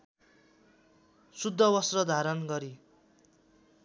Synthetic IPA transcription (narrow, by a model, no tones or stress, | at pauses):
sud̪ʱːʌwʌsrʌd̪ʱaɾʌnɡʌɾi